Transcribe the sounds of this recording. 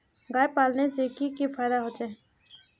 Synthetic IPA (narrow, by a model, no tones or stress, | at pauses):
ɡaːjpaːlneseːkikifaːjd̪aːɦoːt͡ʃeː